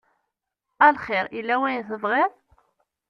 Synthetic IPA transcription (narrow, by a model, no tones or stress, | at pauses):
ælχɪɾilːæwæjθəvʁɪðˤ